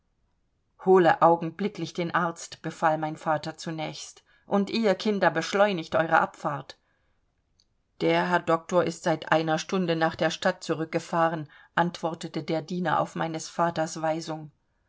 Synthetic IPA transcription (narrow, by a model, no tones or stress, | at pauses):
hoːləʔaʊɡŋ̩blɪklɪçd̥eːnʔaɐt͡stb̥əfaːlmaɪnfaːtɐt͡sunɛːçst | ʔʊntʔiːɐkʰɪndɐbəʃlɔʏnɪçtʔɔʏʁə̰ʔapfaɐt | d̥eːɐɦɛɐdɔk̚toːɐʔɪstz̥aɪtʔa̰ɪnɐʃtʊndənaːχd̥eːɐʃtat̚t͡suʁʏk̚ɡ̥əfaːʁənʔantv̥ɔɐtətədeːɐdiːnɐʔa̰ʊfma̰ɪnəsfaːtɐsv̥aɪzʊŋ